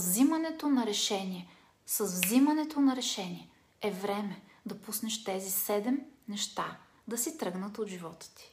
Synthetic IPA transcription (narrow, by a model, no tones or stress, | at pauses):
vzimɐnɛt̪onɐɾɛʃɛniɛ | sɐzvzimɐnɛt̪onɐɾɛʃɛniɛ | ɛvɾɛmɛ | d̪ɐpusnɛʃt̪ɛzisɛd̪ɛmnɛʃt̪a | d̪ɐsit̪ɾɤɡnət̪od̪ʒivɔt̪ə̥t̪i̥